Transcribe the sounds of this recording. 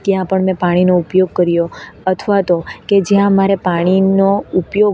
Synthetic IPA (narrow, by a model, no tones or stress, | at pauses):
t̪jãpəɳmɛ̃paɽ̃inoupjoɡ̚kəɾjoət̪ʰʋat̪oked͡ʒjãmaɾepaɽ̃inoupjo